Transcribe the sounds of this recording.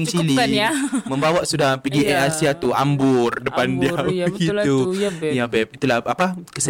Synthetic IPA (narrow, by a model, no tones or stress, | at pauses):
ŋsilimə̃mbawaʔsudahpəɡiʔɛʔasiat̪ua̰mbʊrdəpandiautukit̪ujabɛp̚it̪ulahapakəs